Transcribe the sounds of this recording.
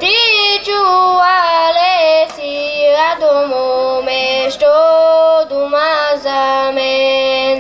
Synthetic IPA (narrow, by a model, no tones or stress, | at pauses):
t̪it͡ʃuwalesiad̪omomesʈod̪umazame